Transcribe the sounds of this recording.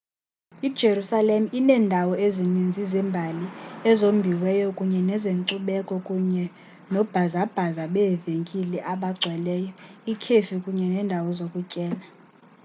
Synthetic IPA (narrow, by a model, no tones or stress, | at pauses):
id̥ʒ̥ʱerusalem̩inɛːndʱawɔezinind͡zʱizɛmbʱaliɛzombʱiwɛjɔkʼuɲɛnɛzeŋǀuɓɛkʼɔkʼuɲɛ | nɔb̥ʱazab̥ʱazaɓɛːveŋkʼilɛʔaɓaɡ͡ǀʱwɛlɛːjɔikʰefikʼuɲɛnɛːndʱawɔzokʼucʼɛːla